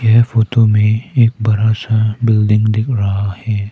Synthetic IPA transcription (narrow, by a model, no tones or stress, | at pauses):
jɛɦfoːt̪omẽeːk̚bɐɾasabɪlɖɪ̃ŋɡd̪ɪkʰɾɐɦahɛː